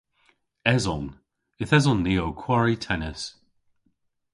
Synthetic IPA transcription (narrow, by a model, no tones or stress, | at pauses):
ɛzɔn | ɪθɛzɔnːiːowkʰw̥aɹitʰɛnɪs